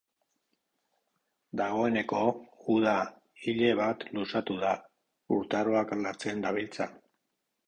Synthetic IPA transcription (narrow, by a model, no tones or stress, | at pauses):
d̪aɣ̞o̞e̞ne̞ko̞uð̞a | iʎe̞β̞at̪lusat̪uða | ṵɾt̪aɾo̞aklat͡se̞nd̪aβ̞ilt͡sa